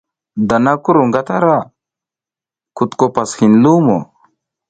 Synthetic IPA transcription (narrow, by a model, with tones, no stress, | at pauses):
d̪a˨na˦ku˦ɾu˨ŋɡa˦t̪a˦ɾa˦ | ku˨t̪ko˨pa˨sxi˨nlu˦mo̰˨